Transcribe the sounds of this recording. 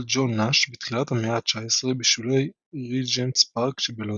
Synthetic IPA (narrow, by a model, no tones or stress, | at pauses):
ld͡ʒonːaʃbitχilathameat͡ʃaesʁebiʃvilej | ʁid͡ʒentspaʁkʃebelo